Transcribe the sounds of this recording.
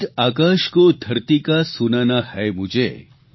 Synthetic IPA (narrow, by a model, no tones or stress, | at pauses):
aːkaːʃkod̪ʱɐɾt̪ikasunanahɛmud͡ʒḛ